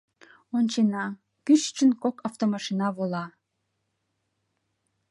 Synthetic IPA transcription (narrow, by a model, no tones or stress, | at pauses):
onʲt͡ɕenɑ | kyʃt͡ʃənkokɑft̪omɑʃinɑβolɑ